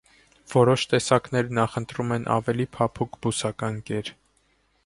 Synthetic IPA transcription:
v̥ɔɾɔʃt̪ɛsɑknɛɾnɑχənt̪ɾumɛnʔɑ̰vɛlipʰɑpʰukbusɑkɑnkɛɾ

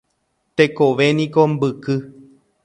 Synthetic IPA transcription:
t̪ekoʋe̞nĩkombɨkɨ

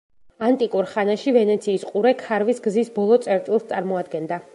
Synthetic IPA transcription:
ant̪ʼikʼuɾχanaʃivɛnɛt̪sʰiːsqʼuɾɛkʰaɾvisɡzisbɔlˠɔt̪sʼɛɾt̪ʼilˠst̪ʼaɾmɔad̪ɡɛnd̪a

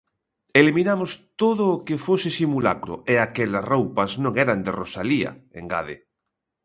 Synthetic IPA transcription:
eliminamʊst̪oðʊːkefosɪsimula̰kɾʊ̰eakɛlasrowpɐznõŋɛɾand̪erosaliɐ̰ḛŋɡa̰ðḛ

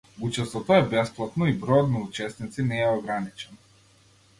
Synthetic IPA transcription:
ut͡ʃɛst̪ɔt̪ɔɛbɛsplˠat̪nɔibɾɔjɔt̪naut͡ʃɛsnit̪sinɛɛɔɡɾanit͡ʃɛnɔ

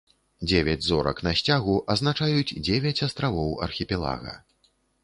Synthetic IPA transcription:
d͡zʲevʲɛd͡zʲzɔɾɐ̰knɐsʲt͡sʲaɣuʔɐznat͡ʂajut͡sʲd͡zʲevʲɐt͡sʲast̪ɾavɔwɐ̰rxʲipʲɛlˠa̰ɣɐ̰

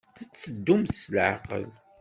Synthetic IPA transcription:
θət͡sːəd̪ːumθsəlʕa̰qə̰l

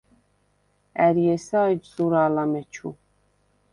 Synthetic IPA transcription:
æɾjɛsaːjd͡ʒzuɾaːlamɛt͡ʃʰu

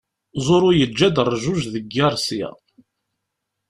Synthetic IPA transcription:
zˤʊɾʊjəd͡ʒːæd̪ərˤːʒuʒðəɡːæɾˤsæ̰

